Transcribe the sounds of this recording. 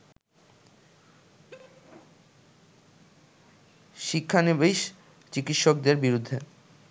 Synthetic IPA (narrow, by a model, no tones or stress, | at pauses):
ʃikʰːanebeiʃ | t͡ɕikit̪ʃok̚d̪eɾbiɾud̪ʱːe